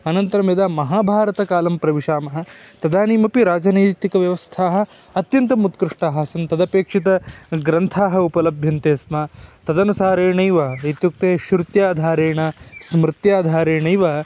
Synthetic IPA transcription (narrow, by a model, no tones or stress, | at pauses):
ɐnɐnt̪ɐɾɐmjɐd̪aːmɐɦaːbʱaːɾɐt̪ɐkaːlɐmpɾɐʋiʂaːmɐɦɐ̆t̪ɐd̪aːniːmɐpiɾaːd͡ʒɐnɐj̪t̪ːikɐʋjɐʋɐst̪ʰaːɦɐ̆ | ɐt̪jɐnt̪ɐmut̪kɾɪʂʈaːɦɐsɐnt̪ɐd̪ɐpeːkʂit̪ɐɡɾɐnt̪ʰaːɦɐupɐlɐbʱjɐnt̪eːsmɐt̪ɐd̪ɐnusaːɾeːɳɐjʋɐet̪juk̚t̪eːʃɾut̪jaːd̪ʱaːɾeːɳɐsmɾɪt̪jaːd̪ʱaːɾeːɳɐjʋɐɐ